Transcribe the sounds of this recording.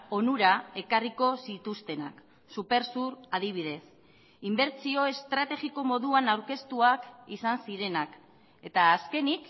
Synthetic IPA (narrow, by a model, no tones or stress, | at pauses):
o̞nuɾae̞kariko̞sit̪ust̪e̞nak | supe̞ɾsuɾaðiβ̞ið̞e̞s | imbe̞ɾt͡sio̞e̞st̪ɾat̪e̞ɣiko̞mo̞ðuanawɾke̞st̪uakisansiɾe̞nak | e̞t̪aːske̞nik